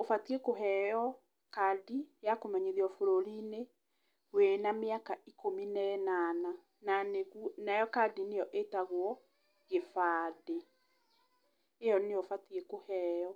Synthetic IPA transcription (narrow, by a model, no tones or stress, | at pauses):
ofatiekoɦɛjɔ | kadijakomɛɲeðiɔfoɾoɾine | wenameakaikominɛnana | naneɣunajɔkadinejɔʔetaɣwɔ | ɣefaːde | ejɔneofatiekohɛːjɔ